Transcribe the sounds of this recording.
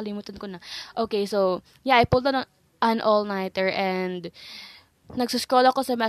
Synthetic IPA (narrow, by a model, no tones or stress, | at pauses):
ɐlimuːt̪ɐnkonɐʔoːkejsow | jaʔɐjpulˠd̪ɐn | ʔɐnʔɔlnajt̪ɛɹʔɛnd̪ | nɐɡsʊskɹolɐkosɐmɛ